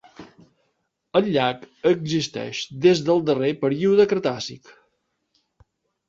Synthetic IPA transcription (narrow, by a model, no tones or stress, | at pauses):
ənʎak | əɡzist̪ɛ̰ʃd̪ezðəlˠd̪ərepəɾiuðəkəɾt̪asḭk